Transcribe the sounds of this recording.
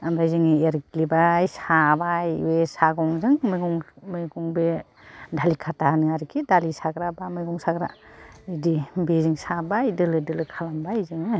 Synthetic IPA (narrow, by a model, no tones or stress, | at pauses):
ambɾajzɯŋɯeɾklibajsabajwesaɡɔŋzɯŋmɯɡɔŋmɯjɡɔŋbe | dʱalikʰatanɯaɾikʰidalisaɡɾabamɯjɡɔŋsaɡɾa̰idibeziŋsabajdɯlɯdɯlɯkʰalambajzɯŋɯ